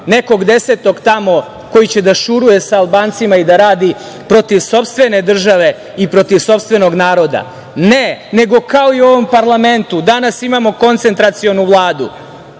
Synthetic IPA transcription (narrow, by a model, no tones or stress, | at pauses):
ne̞ko̞ɡd̪e̞set̪o̞ɡt̪amo̞ | ko̞jit͡ɕed̪aʃuɾuje̞saːlˠbaːnt̪simaid̪aɾaːd̪i | pɾo̞t̪iʋso̞pst̪ʋe̞ne̞d̪r̩ʒaʋe̞ | ipɾo̞t̪iʋso̞pst̪ʋe̞no̞ɡnaːɾo̞d̪a̰ | nene̞ɡo̞kao̞io̞ʋo̞mpaɾlˠame̞nt̪ud̪anasimamo̞ko̞nt̪se̞nt̪ɾat̪sio̞nuʋlˠaːd̪u